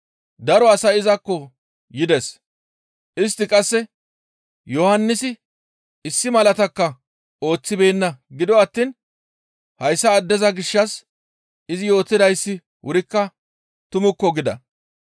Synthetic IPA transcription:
d̪ɐɾɔɐsɐɪzɐkːɔ | jɪd̪ɛs | ʔɪs̬t̪ːɪkʼɐsːɛ | jɔhɐnːɪsɪ | ɪsːɪmɐlɐt̪ɐkːɐ | o̞ːt͡sːɪbe̞ːnːɐɡɪd̪ɔɐt̪ːiːn | hɐjsːɐːd̪ːɛzɐɡɪʃːɐs | ɪzɪjo̞ːt̪ːɪd̪ɐjsːɪ | wʊɾɪkːɐ | t̪ʊmʊkːɔɡɪd̪ɐ̰

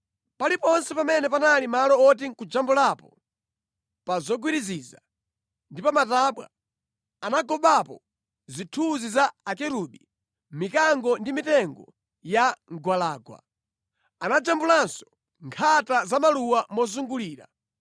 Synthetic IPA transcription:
palipɔnsɛpamɛnɛpanalimalɔɔt̬iŋkud͡ʒambulapɔ | pazɔɡwiɾiziza̰ | ndipamataːɓwa̰ | anaɡɔɓapɔ | zitʰuzizaːkɛɾuɓi | mikaŋɡɔndimitɛŋɡɔ | jaŋɡwalaːɡwa̰ | anad͡ʒambulansɔ̥ | ŋkʰatazamaluwamɔzuŋɡuliːɾa̰

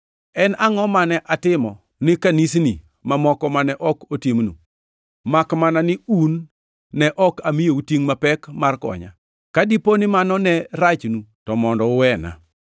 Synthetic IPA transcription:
ɛnaŋɔmanɛʔatɪmɔ | nɪkanisni | mamɔkɔmanɛʔɔkotimnṵ | makmananɪunː | ɛʔɔkamijoutiŋmapɛkmarkɔ̰ɲa̰ | kadiponɪmanɔnɛɾat͡ʃnutɔmɔndɔʊwɛna̰

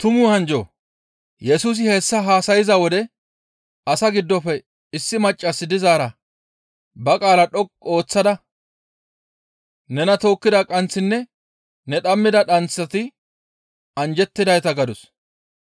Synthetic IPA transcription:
t̪ʊmʊːhɐnd͡ʒo̰ː | jɛsuːs̬ɪheːsːɐɦaːsɐjɪzɐwɔd̪ɛ | ɐsɐɡɪd̪ːɔfɛ | ɪsːɪmɐt͡ʃʼːɐsːɪd̪ɪzaːɾɐ | bɐkʼaːlɐᶑɔkʼo̞ːt͡sːɐd̪ɐ | nɛnɐt̪o̞ːkːɪd̪ɐkʼɐnt͡sːɪnːɛ | nɛᶑɐmːɪd̪ɐᶑɐnt͡sːɐt̪ɪ | ɐnd͡ʒɛt̪ːɪd̪ɐjt̪ɐɡɐd̪ʊs

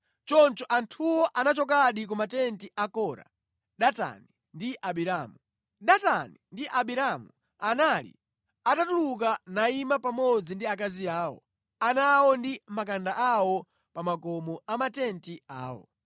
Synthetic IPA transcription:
t͡ʃɔnt͡ʃɔʔantʰuwɔʔanat͡ʃɔk̬aɗik̬umatɛntiʔakɔːɾa̰ | ɗata̰ni | ndiʔaɓiɾamu | ɗatanindiʔaɓiɾamu | analḭ | atatuluk̬anaimapamɔd͡zindiak̬aziaːwɔ̰ | anawɔndimakandaʔawɔ | pamakɔmɔamatɛntia̰ːwɔ̰

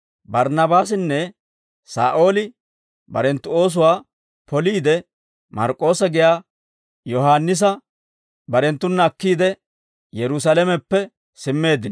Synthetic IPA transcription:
bɐɾnɐbaːs̬ɪnːɛ | sa̰ːʔo̞ːlɪ | bɐɾɛnt̪ːʊo̞ːs̬ʊwaː | pɔliːd̪ɛ | mɐ̰ɾkʼːo̞ːsɐɡɪjaː | jɔɦaːnːɪs̬ɐ | bɐɾɛnt̪ːʊnːɐːkːiːd̪ɛ | jɛɾʊs̬alɛmɛpːɛ | sɪmːe̞ːd̪ɪn

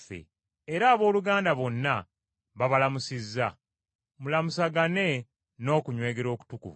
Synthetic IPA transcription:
fḛ | eɾaːβo̞ːluɡaːndaβo̞nːa | βaβalamusizːa | mulamusaɡane̞ | no̞ːkuɲwe̞ːɡeɾo̞ːku̥tukṵvu

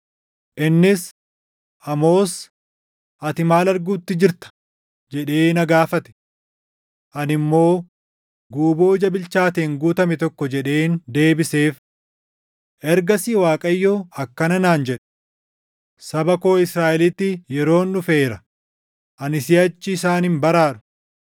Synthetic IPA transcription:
ʔɪnːɪs | ʔɐmo̞ːs | ʔɐt̪ɪmaːlɐɾɡuːt̪ːɪd͡ʒɪɾt̪ɐ̥ | d͡ʒɛᶑe̞ːnɐɡaːfɐt̪ɛ̥ | ʔɐnɪmːo̞ː | ɡuːboːɪd͡ʒɐbɪlt͡ʃaːt̪eːŋɡuːt̪ɐmɛt̪ɔkːɔd͡ʒɛᶑe̞ːnd̪e̞ːbɪse̞ːf | ʔɛɾɡɐsiwaːkʼɐjːoːɐkːɐnɐnaːnd͡ʒɛᶑɛ̥ | sɐbɐko̞ːɪsɾaːʔɛlɪt̪ːɪjɛɾo̞ːnːʊfeːɾɐ | ʔɐnɪsɪɐt͡ʃːɪːsaːnhɪmbɐɾaːɾʊ̥

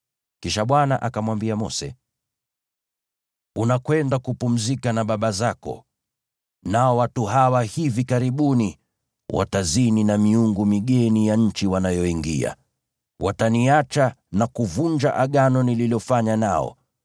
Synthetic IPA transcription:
kiʃaɓwanaʔakamwambiamɔsɛ̰ | unakwɛndakupum̩zikanaɓaɓazakɔ̰ | naɔwatuɦawahivikaɾiɓuni | wa̰tazininamiuŋɡumiɠɛnijaɲ̩t͡ʃiwanajɔiŋɡḭa̰ | wʔataniat͡ʃanakuvund͡ʒaʔaɠanɔnililiɔfaɲana̰ɔ̰

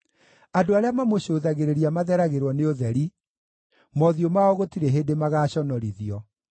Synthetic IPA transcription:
adoaɾeamamoɕoːðaɣeɾeɾiamaðɛɾaɣeɾwɔneoðɛɾi | mɔðiomaɔɣotiɾeɦedemaɣaːɕɔnɔɾiðiɔ

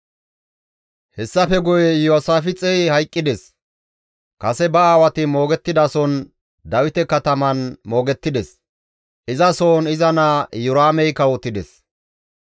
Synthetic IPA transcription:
hɛsːɐfɛɡʊjɛjoːsaːfɪt͡sʼɛjhɐjkʼːɪd̪ɛs | kɐsɛbɐaːwɐt̪ɪmo̞ːɡɛt̪ːɪd̪ɐsɔn | d̪ɐwɪt̪ɛkɐt̪ɐmɐnmo̞ːɡɛt̪ːɪd̪ɛs | ʔɪzɐso̞ːnɪzɐnajʊɾaːmɛjkɐwɔt̪ːɪd̪ɛs

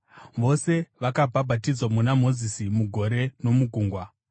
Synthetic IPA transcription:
ʋo̞se̞ʋakabʱabʱatid͡zwamunamo̞zisimuɡʱo̞ɾe̞no̞muɡʱuːŋɡwa

